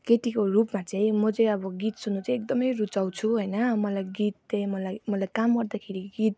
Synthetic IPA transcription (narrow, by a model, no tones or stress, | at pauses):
ket̪ikorupmat͡saĩmʌd͡zʌ̃jʌbʌɡit̪sunːut͡sʌ̃ek̚d̪ʌmʌjrut͡saw̃t͡sʰuɦʌjnʌmʌlajɡit̪̚t͡sʌĩmʌlajmʌlajkamɡʌɾd̪akʰeɾiɡit̪̚